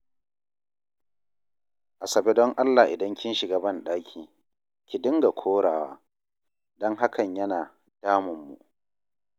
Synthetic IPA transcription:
ʔa˨sɐ˨be˦dɔ˦ŋʔa˦lːa˨ʔɪ˨dɐ˦ŋkʲɪ˦nʃɪ˨ɡaː˨bɐ˦nɗaː˦kʲʰiː˨ | kʲɪ˨dɪ˦ŋɡa˨kʷʰoː˦ɽaː˨wa̰ː˦ | dɔ˦ŋɦa˦kʰɐ˨ɲjɐ˦naː˨ | d̥aː˦mʊ˨mːṵ˨ʔ

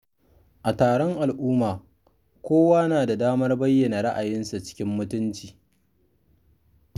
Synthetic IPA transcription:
ʔa˨taː˨ɽɔ˦ŋʔa˨lʔuː˦maː˨ | kʷoː˦waː˦naː˨da˨daː˦mɐ˦rbɐ˦jːɐ˨na˨ɽa˦ʔa˨jɪ˦nsa˨t͡ʃɪ̥˦kʲɪ˦mːʊ˦tʊ˦nt͡ʃiː˨

